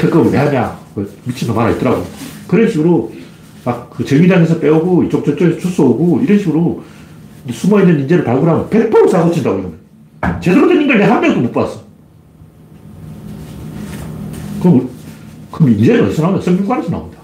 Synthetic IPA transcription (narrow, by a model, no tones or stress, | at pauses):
tʰek͈ɯmmeɦamjakʌmit͡ɕʰitʰʌmaɾait͈ʌɾaɡokɯɾʌnɕʰiɡɯɾo | mak̚k͈ːɯt͡ɕɯŋid͡ʑaŋesʰʌp͈e̞uɡoit͡ɕ͈ok̚t͡ɕ͈ok̚t͡ɕ͈ʌŋesʰʌt͡ɕus͈ooɡoiɾʌnɕʰiɡɯɾo | sʰumʌinːɯnind͡ʑeɾɯɭpaɭɡuɾɦamopepʰoɾosaɡot͡ɕʰindaɡoiɡɯmʌ | t͡ɕedɯɾodenːinŋɡʌɭneɦamːjʌŋdomokp͈as͈ʌ | kɯɾʌm | kɯʌmind͡ʑenɯnʌs͈ʰʌnaunas͈ʰʌŋmjoŋɡanesʰʌna̰ṵmɲidḁ